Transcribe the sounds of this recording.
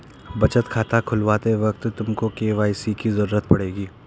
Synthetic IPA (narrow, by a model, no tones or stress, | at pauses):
bɐt͡ʃət̪kʰaːt̪akʰʊlʋaːt̪eʋɐk̚t̪t̪ʊmkokeːʋaːjsikizɐɾuːɾət̪pɐɽeːɡiː